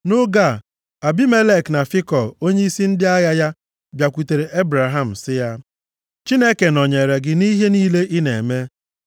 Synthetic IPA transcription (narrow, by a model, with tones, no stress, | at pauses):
nʊ˦ɡa˦˨ | a˨bi˦me˦le˦˨kna˨fi˦kɔ˨o˦ɲe˦i˦si˦n̩˦dɪ˦a˦ja˦ja˦ | bja˨kʷu˨te˨ɾe˨ʔe˦bɾa˨ɦa˦˨m̩˨sɪ˦ja˦ | t͡ʃi˦ne˦ke˨nɔ˨ɲe˨ɾe˨ɡɪ˦ni˦ɦe˦niː˦le˦ʔɪ˦ne˨me˦